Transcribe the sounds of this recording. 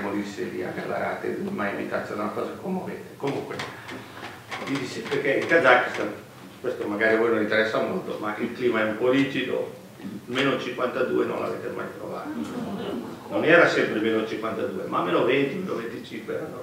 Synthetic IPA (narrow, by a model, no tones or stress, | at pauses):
molisːeɾḭa̰ka̰lːa̰ɾa̰ːt̪ḛmajimit̪at̪sonalafazekomovḛːt̪ekomuŋkwḛ | d̪id̪isiperkeilkazakːist̪an | kwest̪omaɡaːɾivojnonint̪eɾɛsːamolt̪o̰mailkliːmaɛumpɔliːt͡ʃid̪o̰ | meːnot͡ʃiŋkwant̪ad̪uːeno̰nlʔa̰vḛːt̪ema̰jt̪ɾo̰vaːt̪ano | nonɛːɾasɛmpɾemeːnot͡ʃiŋkwant̪ad̪uːemaːlmeːnovent̪imenovent̪it͡ʃiŋkweɾano